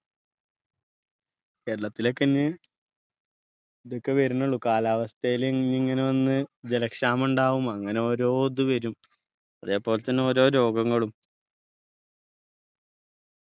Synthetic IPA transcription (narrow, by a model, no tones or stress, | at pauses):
ke̞ːɾɐɭɐt̪ːilo̞kːɐnːɨ | iðokːe̞ʋɐɾunːɐɭukaːlaːʋɐst̪ɐjilnːiŋːɐneʋɐnːɨd͡ʑelɐkʂaːmuɳɖaːʋumɐŋːɐne̞o̞ɾo̞ːd̪ɨʋɐɾum | ɐðe̞ːpːo̞ːlet̪ːɐnːeoɾo̞ːɾo̞ːɡɐŋːɐɭum